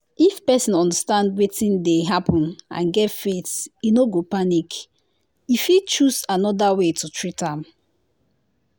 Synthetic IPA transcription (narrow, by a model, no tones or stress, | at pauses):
ifpɛsĩnɔ̃ndastãndwetĩndeɦapɔ̃nã̰nɡɛtfetinoɡopanik | ifit͡ʃusanɔdawetutɹitãm